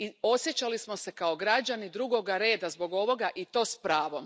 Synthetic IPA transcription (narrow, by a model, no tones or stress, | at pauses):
io̞sjet͡ɕalismo̞se̞kao̞ɡɾad͡ʑanid̪ɾuɡo̞ɡaɾe̞ːd̪azbo̞ɡo̞ʋo̞ɡaʔit̪o̞ːspɾaːʋo̞m